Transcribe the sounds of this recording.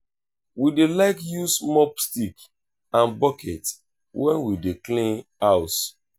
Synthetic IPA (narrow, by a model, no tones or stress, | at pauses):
widelaɪkjusmɔpstik | ãnbɔkʰɛt | wʔɛ̃nwideklĩnaʊs